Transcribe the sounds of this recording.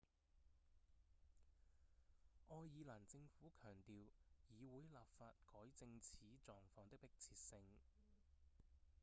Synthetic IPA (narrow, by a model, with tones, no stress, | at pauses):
ʔɔː˧jːiː˨˧laː˨˩nt͡sɪ˧ŋfuː˨˥kʰœː˨˩ŋt̪iː˨wjiː˨˧wuː˨˥jlaː˨p̚faː˧t̚kɔː˨˥jt͡sɪ˧ŋt͡sʰiː˨˥t͡sɔː˨ŋfɔː˧ŋt̪ɪ˥kpɪ˥k̚t͡sʰiː˧t̚sɪ˧ŋ